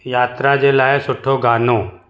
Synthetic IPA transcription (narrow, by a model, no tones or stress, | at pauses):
jaːt̪ɾad͡ʒelaːesʊʈʰːoɡaːnõː